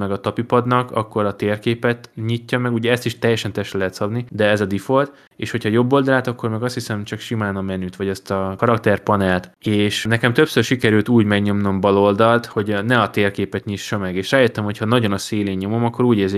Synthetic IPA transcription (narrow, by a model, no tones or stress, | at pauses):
mɛɡɒt̪ɒpipɒd̪nɒkɒ̰kːo̞ɾɒt̪eːrkeːpɛt̪ɲicːɒmɛɡuɟɛɛst̪iʃt̪ɛjːɛʃɛnt̪ɛʃɛlɛɦɛt̪sɒd̪nid̪ɛɛzɒd̪ifo̞lt̪ | eːʃho̞cʰhɒjo̞bːo̞ld̪ɒlaːt̪ɒkːo̞rmɛɡɒst̪hisɛmt͡ʃɒkʃimaːnɒmɛnyːt̪ʋɒɟɛst̪ɒkɒɾɒkt̪ɛrpɒnɛlt̪eːʃnɛkɛmt̪øpsørʃikɛɾylt̪uːɟmɛɡɲo̞mno̞mbɒlo̞ld̪ɒlt̪ho̞ɟnɛɒt̪eːrkeːpɛt̪ɲiʃːɒmɛɡeːʃraːjøt̪ːɛmho̞chɒnɒɟo̞nɒseːleːɲːo̞mo̞mɒkːo̞ɾuːɟeːze